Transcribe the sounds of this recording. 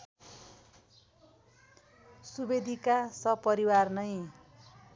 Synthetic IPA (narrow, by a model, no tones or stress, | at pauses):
subed̪ʱikasʌpʌɾiwarnʌj